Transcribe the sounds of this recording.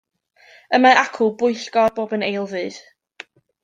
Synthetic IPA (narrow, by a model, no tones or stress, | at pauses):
əmaakʰʊbʊɨɬɡ̥ɔrboːbənejlˠvɨːð̥